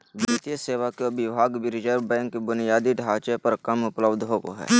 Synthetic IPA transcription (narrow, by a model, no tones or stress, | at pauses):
biːt̪ijəseːwakebɪbʱaːɡbɪɾɪd͡ʒəɾbɛ̃ːŋkːebʊnijaːd̪iɖʱaːt͡ʃepəɾkəmʊpləbd̪ʱɦoːko̰ɦɛ̰ː